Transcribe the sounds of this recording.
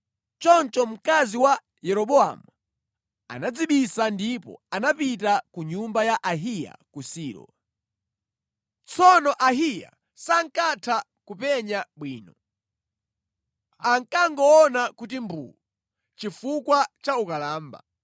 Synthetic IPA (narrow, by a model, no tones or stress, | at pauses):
t͡ʃɔnt͡ʃɔm̩kaziwa | jɛɾɔɓɔa̰mu | a̰nad͡ziɓisandipɔ̰anapitakuɲumbajaʔaɦija̰kusiːɾɔ̰ | t͡sɔnɔʔaɦija̰ | saŋkatʰa | kupɛɲaɓwiːnɔ | aŋkaŋɡɔɔnakut̬imbṵːu | t͡ʃifukwat͡ʃaukalaːmba̰